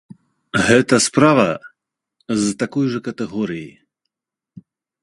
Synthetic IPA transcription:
ɣɛt̪ɐspɾavɐ | zt̪akɔjʐɐkɐt̪ɛɣɔɾiji

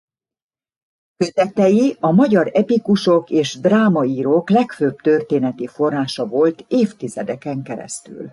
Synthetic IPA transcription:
køt̪ɛt̪ɛjiɒmɒɟɒɾɛpikuʃo̞keːʒd̪raːmɒiːɾoːklɛkføːbt̪ørt̪eːnɛt̪ifo̞rːaːʃɒvo̞lt̪eːft̪izɛd̪ɛkɛŋkɛɾɛ̰st̪y̰l

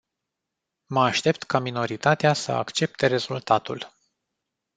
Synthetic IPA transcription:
məaʃt̪e̞p̚t̪kamino̞ɾit̪at̪easə̰a̰kt͡ʃe̞p̚t̪e̞ɾe̞z̥ult̪at̪ul

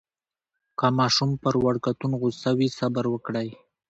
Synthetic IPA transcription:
kɑmɑʃumpəɾwaɽkat̪unɣusawisabaɾwəkɽaj

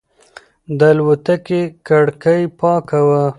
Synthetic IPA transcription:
d̪əlwut̪akekaɽkəjpɑkawa

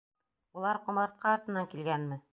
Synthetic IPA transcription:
ulˠɑɾqŏmɑɾt̪̚qʰɑɒɾt̪ɤ̆nːɑŋkilɡænmɘ

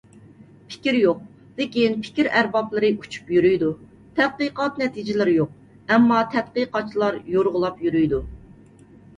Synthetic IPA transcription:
pʰɪ̥kʲiɾjoq̚ | d̪̥ɪkʲinpʰɪ̥kʲiɾæɾbɑplˠɨɾɨʔut͡ʃʰu̥pjyɾyjd̪u | t̪ʰɛt̪̚qəqɑt̪nɛt̪ʰid͡ʒɪlɪɾɪjoq̚ | ɛmːɑt̪ʰɛt̪̚qəqɑt͡ʃʰːilˠɑɾjoɾʁʊlˠɑpjyɾyjd̪u

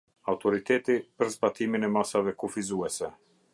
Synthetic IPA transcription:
awt̪ɔɾit̪ɛt̪ipəɾzbat̪iminɛmasavɛkufizuɛsɛ

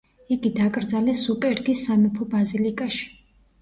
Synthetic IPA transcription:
iɡid̪akʼɾd̪zalɛsupʼɛɾɡisːamɛpʰɔbazilikʼaʃi̥

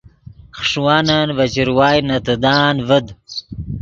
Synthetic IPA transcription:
xʂwaːnanvɐt͡ɕiɾwaːjnɐt̪ɨd̪aːnvəd̪

